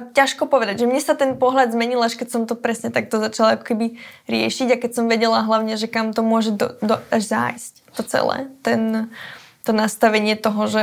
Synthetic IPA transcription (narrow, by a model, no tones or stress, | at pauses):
caʃkɔpɔʋɛd̪aɟʒɛmɲɛsat̪ɛnpɔɦʎad̪zmɛɲilaʃkɛcsɔmt̪ɔpɾɛsɲɛt̪ak̚t̪ɔzat͡ʃalakɔ̥kɛbiɾɪɛʃiɟakɛcsɔmʋɛɟɛlaɦlaʊɲɛʒɛkamt̪ɔmʊɔʒɛd̪ɔd̪ɔaʒza̰jsct̪ɔt͡sɛ̰lɛ̰ːt̪ɛn | t̪ɔnast̪aʋɛɲɪɛt̪ɔɦɔʒɛ